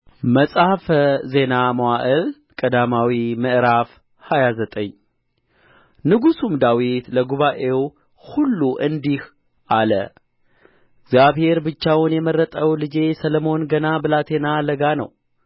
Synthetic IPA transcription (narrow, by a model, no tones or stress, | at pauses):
məsʼhfze̞naməwaʔəl | kʼəd̪amawimɨʔɾaf | hajazət̪ʼəɲ | nɨɡusumd̪awit̪ləɡuβaʔe̞w | hulːuʔɨnd̪ih | ʔalə̰ | ɡzjaβhe̞ɾbɨt͡ʃːawnjɛmərːət̪ʼəwlɨd͡ʒe̞sələmo̞nɡənabɨlat̪ʰe̞naləɡanə̰w